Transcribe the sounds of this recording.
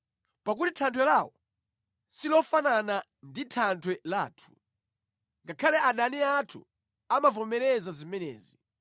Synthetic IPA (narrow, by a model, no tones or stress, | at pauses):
pak̬utitʰantʰwɛlawɔ | silɔfanana | nditʰantʰwɛlaːtʰu̥ | ŋɡakʰalɛʔaɗaniatʰṵ | amavɔmɛɾɛzazimɛnɛ̰ːzi